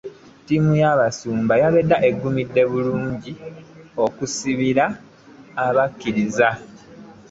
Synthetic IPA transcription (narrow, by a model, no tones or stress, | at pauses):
timujaβasuːmbajaβedːaʔe̞ɡːumidːe̞βuluːɲɟio̞kusiβiɾaː | βakːiɾiza